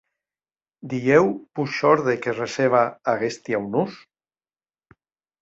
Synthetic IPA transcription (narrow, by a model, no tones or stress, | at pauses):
d̪iewpuʃɔɾðekereseβ̞aaɣest̪jawnus